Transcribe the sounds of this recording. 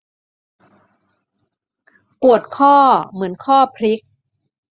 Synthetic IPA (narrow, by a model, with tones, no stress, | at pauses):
ku˨˩ət̪̚kʰɔː˥˩mɯ˩˦ənkʰɔː˥˩pʰɾi˦˥k̚